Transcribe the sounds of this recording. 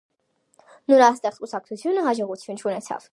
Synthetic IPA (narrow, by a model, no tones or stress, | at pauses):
nɔɾɑst̪ɛχkusɑk̚t͡sʰut͡sʰjunəɦɑd͡ʒɔʁut͡sʰjunt͡ʃʰunɛt͡sʰɑ̰v̥